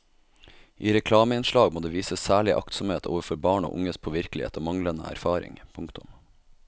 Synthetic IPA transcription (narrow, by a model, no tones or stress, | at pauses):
ʔiːɾɛkʰlɑːməɪnʃɭɑːɡmoːd̪eːʋiːsəssæːɭɪʔɑ̰kt̪sʊmheːt̪ʰo̰ːʋəɾfɔɾbɑːɳo̰ːʔʊ̰ŋəspʰoʋɪɾklɪhḛːt̪ʰoːmɑŋlənə̰æ̰ɾfɑːɾɪ̰ŋpʰʊŋkt̪ʊm